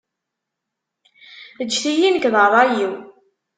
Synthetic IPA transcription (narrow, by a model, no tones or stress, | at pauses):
ət͡ʃːθijinəkðˤəðˤɑjiw